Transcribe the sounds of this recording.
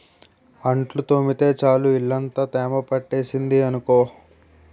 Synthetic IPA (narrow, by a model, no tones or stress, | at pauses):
ɐɳʈlut̪omit̪e̞ːt͡ʃaːluiɭːɐnt̪ɐt̪ɛːmɐpɐʈːe̞ːsind̪iɐnukoː